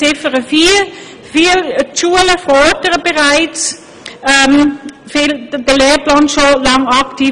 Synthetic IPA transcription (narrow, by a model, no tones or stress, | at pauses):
ɪfəʁəfiː | fiːlʃuːələfɔdəʁəbəʁaɪt͡sː | mfɪldəleːplɑːnʃolɑŋɑktʰiː